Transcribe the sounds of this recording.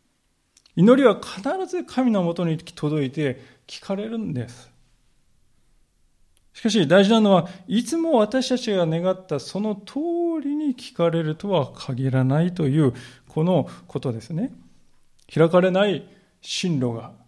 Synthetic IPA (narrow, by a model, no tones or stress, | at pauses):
ino̞ɾʲiβakʰanaɾazɨkʰamʲino̞mo̞t̪o̞ɲ̟it̪ʰo̞d̪o̞it̪e̞ | kʲi̥kʰaɾe̞ɾɯ̟̃nd̪e̞sɨ̥ | ɕi̥kaɕ̬id̪aiʑinano̞βait͡sɨmo̞βat̪aɕi̥t̪at͡ɕiɡane̞ɡat̪ːaso̞no̞t̪ʰoːɾʲiɲ̟ikʲʰi̥kaɾe̞ɾɯ̟t̪o̞βakʰaɡʲiɾanait̪o̞jɯ̟ːkʰo̞no̞ko̞t̪o̞d̪e̞sɨne̞ | çiɾakaɾe̞nai | ɕĩnɾo̞ɡa